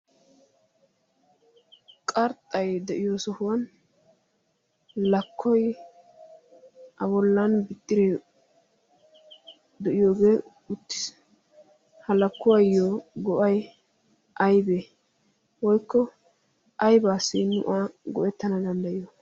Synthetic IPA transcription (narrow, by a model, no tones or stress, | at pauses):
kʼɐɾt̪ʼːɐjd̪ɛʔɪjosɔhʊwɐn | lɐkʰːɔj | ʔɐbɔlːɐnbɪt̪ʼːɪɾɛ | d̪ɛʔɪjoːɡe̞ː | ʊt̪ːɪ̥s | hɐlɐkːʊwɐjːoɡɔʔɐj | ʔɐjbe | wɔjkːɔ | ɐjbaːsːɪnːʊ̰ʔaɡɔʔɛt̪ːɐnɐd̪ɐnd̪ɐʔɪjɔ